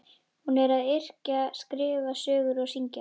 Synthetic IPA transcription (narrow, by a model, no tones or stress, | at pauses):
hunɛɾaðɪr̥caskɾɪːvasœːɣʏɾawsiɲca̰